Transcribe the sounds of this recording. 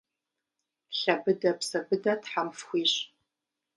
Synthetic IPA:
ɬɐbɨdɐpsɐbɨdɐtħamfxʷiːɕ

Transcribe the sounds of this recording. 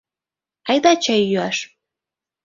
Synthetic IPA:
ɑjd̪ɑt͡ɕɑjːyɑʃ

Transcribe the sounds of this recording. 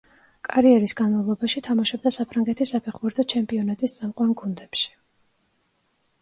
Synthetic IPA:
kʼaɾiɛɾisɡanmavlˠɔbaʃit̪ʰamaʃɔb̚d̪asapʰɾaŋɡɛt̪ʰisapʰɛχbuɾt̪ʰɔt͡ʃʰɛmpʼiɔnat̪ʼist̪sʼamqʼwanɡund̪ɛpʃi̥

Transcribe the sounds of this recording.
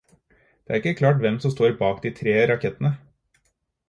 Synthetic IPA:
d̪̥eːʔæɾɪkːəkʰlɑːʈʋɛmsɔmst̪oːɾbɑːkd̪iːt̪ʰɾeːɾɑkʰɛt̪ənə

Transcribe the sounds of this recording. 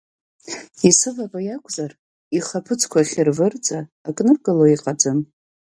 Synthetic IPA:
isɨvabajakʷʼzar | iχapʰɨt͡sʰʼkʷʰaχʲɪrvɨrd͡zʼaː | kʼnɨrɡaloiqʼad͡ʒɨm

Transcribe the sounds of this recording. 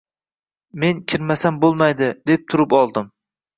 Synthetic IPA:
me̞nkʲʰɪɾmasambolˠmajd̪ɪd̪e̞p̚t̪ʰʊɾɪpɒlˠd̪ɪm

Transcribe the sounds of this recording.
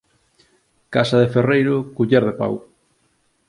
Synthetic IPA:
kasɐðeferejɾʊkuʎɛɾðepa̰w

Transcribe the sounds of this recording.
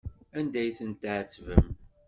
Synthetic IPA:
ænd̪æjθənt̪ʕət͡sːvə̰m

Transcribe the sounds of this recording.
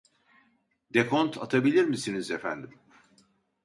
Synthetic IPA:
d̪ekʰont̪ʰat̪ʰabilʲiɾmisinizefæ̰nd̪im

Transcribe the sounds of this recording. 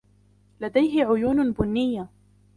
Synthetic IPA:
lad̪ajɦɪʕʊjuːnbʊnːɪjːa

